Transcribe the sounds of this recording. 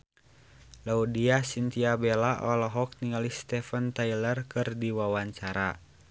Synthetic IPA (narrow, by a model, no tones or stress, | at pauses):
laudiasint̪iabɛlaʔɔlɔɦɔk̚niŋalist̪ɛfənt̪ailərkɨrdiwawaɲt͡ʃaɾa